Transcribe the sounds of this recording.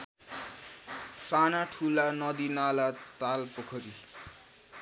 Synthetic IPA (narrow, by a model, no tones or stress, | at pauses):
t͡sanaʈʰulanʌd̪inalat̪alpʌkʰʌɾi